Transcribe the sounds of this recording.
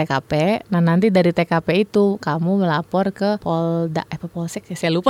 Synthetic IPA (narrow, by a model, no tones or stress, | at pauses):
ekapɛnahnant̪idaɾit̪ekapɛit̪ukamuməlapɔrkəpɔlda̰ʔapapɔlsɛksajalupa